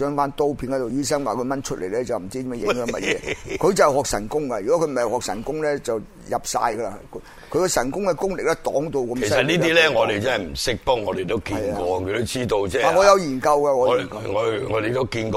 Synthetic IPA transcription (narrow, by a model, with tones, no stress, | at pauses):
œː˨˥ŋfaː˥nt̪o˥wpʰi˧˥nkɔ˨˥t̪o˨wjiː˥sɐ˥ŋwaː˨kʰɵ˧ɥmɐ˥nt͡ʃʰɵ˥t̚lḛ˨˩jlɛː˦˥t͡sɐ˨wm̩˨˩t͡siː˥t̪i˨˧mɛ˧jɪ˨˦˧ŋhœː˨˥mɐ̰˨jɛː˨˦kʰɵ˨˧ɥt͡sɐ˨hhɔː˨k̚sɐ̰˨˩nkʊ˥ŋkɐ˧jyː˨˩kɔ˨˥kʰɵ˧ɥm̩˨˩˨hɔː˨k̚sɐ˨˩nkʊ˥ŋlɛː˥t͡sɐ˨w | jɐ˨p̚sa̰ː˧jkɐ˧la˧kʰ | kʰɥkɔ˧sɐ˨˩nkʊ˥ŋkɛ˧kʊ˥ŋlɪ˨k̚lɛ˥t̪ɔː˨˥ŋt̪o˧wkɐ˧kmse˨˩ssɐ˨t̚niː˥tt̪ːiː˦˥lɛ˦˥ŋɔː˨˧d̪e˨jt͡sɐ˦˥nɐ˨jm̩˨˩sɪ˥k̚pɔ˥k̚ŋɔː˨˧d̪e˨jt̪o˥wkiː˨njkɔː˧kʰɵ˨˧t̪o˥wt͡siː˥t̪o˧wɛː˥˧aː˨ŋɔː˨˧jɐ˨˧wjiː˨˩nkɐ˧wkɐ˧ŋɔː˨˧jkɐ˧ŋɔ˨˧ŋɔː˨˧de˨˩t̪o˥wkiː˧nkː